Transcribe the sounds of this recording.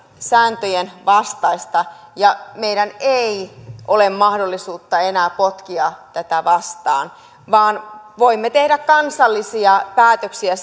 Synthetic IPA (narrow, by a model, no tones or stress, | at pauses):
sæːnt̪øjenʋɑst̪ɑist̪ɑjɑmeiɾæneiʔolemmɑhdolːisuːt̪ːɑenæːpot̪kiɑt̪æt̪æʋɑst̪ɑ̰ːn | ʋɑːnʋoimːet̪ehdækkɑnsɑlːisiɑpæːt̪øksiæ